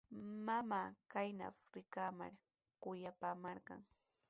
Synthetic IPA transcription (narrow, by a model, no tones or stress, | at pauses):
mamaːkajna̰wɾɪkaːma̰ɾ | kʊjapaːmaɾɢɑ̰ŋ